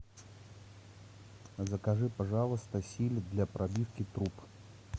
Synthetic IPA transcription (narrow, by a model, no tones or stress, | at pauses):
zɐkaʐɨpaʐalˠɨst̪ɐsʲilʲd̪lʲɐpɾʔabʲifkʲit̪ɾup